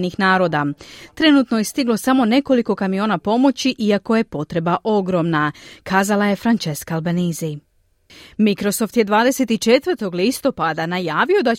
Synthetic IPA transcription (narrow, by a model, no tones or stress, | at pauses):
nixnaːɾo̞ːd̪at̪ɾe̞nuːt̪no̞jest̪iɡlˠo̞samo̞ne̞ko̞liko̞kamijo̞ːnapo̞mo̞t͡ɕiʔiako̞je̞po̞t̪ɾe̞baʔo̞ɡɾo̞ːmnakʰaːzalˠaje̞fɾant͡ʃe̞skaːlbenizi | mikɾo̞so̞ft̪je̞d̪ʋaːd̪e̞set̪it͡ʃe̞t̪ʋəɾt̪o̞ɡlist̪o̞pad̪anajaːʋio̞d̪a